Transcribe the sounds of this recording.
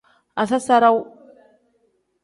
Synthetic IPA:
a˨sa˦sa˦ɾa˦w

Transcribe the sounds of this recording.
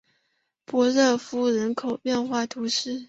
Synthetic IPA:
pwɔ˧˥ɻɤ˥˩fu˥ɻə˧˥nkʰo˨˩ʊpjɛ˥˧nxwa˥˩t̪ʰu˧˥ʂɻ̩˥˩

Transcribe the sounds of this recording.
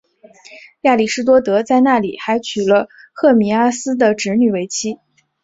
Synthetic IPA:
ja˥˩li˨˩ʂɻ̩˥t̪̬wɔ˥t̪ɤ˧˥t͡sa˥˧ɪna˥˩lḭ˨˩xa˧˥ɪt͡ɕʰy˨˩lə˦xɤ˥˩mi˧˥a˥sɹ̩˥d̪ə˨ʈ͡ʂɻ̩˧˥ny˨˩we˧˥ɪt͡ɕʰi˥

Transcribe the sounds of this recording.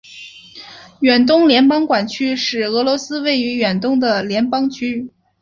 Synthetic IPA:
ɥɛ˨˩nt̪̬ʊ˥ŋljɛ˧˥npɑ˥ŋkwa˨˩nt͡ɕʰy˥ʂɻ̩˨˩ɤ˧˥lwɔ˧˥sɹ̩˥we˥˩ɪy˧˥ɥɛ˨˩nt̪ʊ˥ŋd̪ə˨˩ljɛ˧˥npɑ˥ŋt͡ɕʰy˥

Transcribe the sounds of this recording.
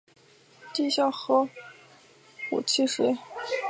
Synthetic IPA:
t̪i˥˧ɕjɑ˥˩ʊxɤ˧˥ | ṵ˨˩t͡ɕʰi˥˩ʂe˧˥ɪ

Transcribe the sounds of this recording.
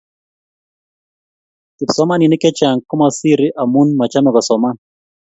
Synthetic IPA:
tɪ˨psɔ˦ma˦ni˨nɪ˦kɛ˦t͡ʃa˨ŋkɔ˦ma˨si˦ɾɪ˦ʔa˨mu˦nma˨t͡ʃa˦mɛ˨kɔ˨sɔ˨ma˦n

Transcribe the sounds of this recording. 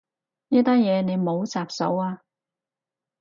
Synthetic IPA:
jɐː˥t̪aː˥njɛː˨˧ne˨˧jmo˨˧wt͡saː˨p̚sɐ̰˨˥waː˧

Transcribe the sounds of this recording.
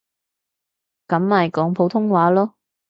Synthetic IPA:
kɐ˨˥maː˨jkɔː˨˥ŋpʰo˨˥wt̪ʰʊ˥ŋwaː˨˥lɔː˥

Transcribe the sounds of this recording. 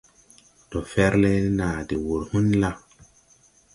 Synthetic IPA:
tɔ˨fɛ˦ɾle˦naː˨di˨wu˨ɾhũ˦nla˦

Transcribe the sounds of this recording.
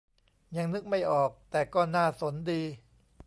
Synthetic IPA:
ja˧ŋnɯ˦˥k̚ma˥˩jʔɔː˨˩k̚t̪ɛː˨˩kɔː˥˩naː˥˩so˩˦ndiː˧

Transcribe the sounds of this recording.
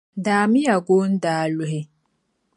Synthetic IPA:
daː˨mi˦ja˨ɡo˦n̩˦daː˨lu˨ɦe˦

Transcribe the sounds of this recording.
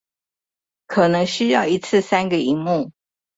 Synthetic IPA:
kʰɤ˨˩nɤ˧˦˥ŋɕy˥jɑ˥˩ʊi˧˥t͡sʰɹ̩˥˩sa˥nɡə˨i˧˥ŋmu˥˩

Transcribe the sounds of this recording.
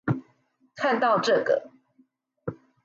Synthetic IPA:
kʰa˥˧nt̪ɑ˥˨ʊʈ͡ʂɤ˥˨˩ɡə̰˩

